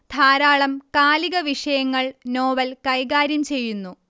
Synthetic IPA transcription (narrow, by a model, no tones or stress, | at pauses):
d̪ʱaːɾaːɭɐmkaːliɣɐʋiʂɐjɐŋːɐɭnoːʋɐlkɐjɣaːɾjɐmt͡ɕe̞jːunːu